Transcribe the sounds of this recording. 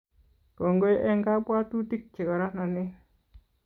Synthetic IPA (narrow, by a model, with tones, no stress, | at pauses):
ko˨ŋɡo˦jʔe˦ŋɡa˦bwa˦tu˦ti˦k̚t͡ʃi˨ɡa˨ɾa˦na˨ni˦